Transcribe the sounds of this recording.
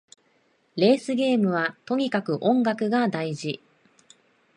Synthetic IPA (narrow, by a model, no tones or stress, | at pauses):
ɾe̞ːsɨɡʲe̞ːmɯ̟β̞at̪o̞ɲ̟ikakɯ̟ʔõ̞ŋɡakɯ̟ɡad̪aiʑi